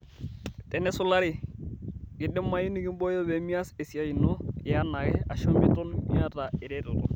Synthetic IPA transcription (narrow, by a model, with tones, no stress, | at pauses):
tɛ˨nɛ˦sʊ˦la˦ɾɪ˨ | kɪ˨dɛ˦mːa˦ji˦ni˦ɡi˦mbɔ˦jɔ˦bɛ˨mi˦a˦se˨si˨a˨ji˨nɔ˦a˦na˨ɡɛ˦a̰˨ʃɔ˦mɪ˦tɔ˦nmia˦ta˨ɪ˨ɾɛ˦tɔ˨tɔ̰˨